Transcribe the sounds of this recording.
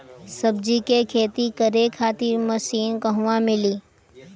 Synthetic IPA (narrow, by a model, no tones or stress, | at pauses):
səb̚d͡ʒikekʰeːt̪ikəɾekʰaːt̪imɐsiːnkɐɦʊʋãmɪliː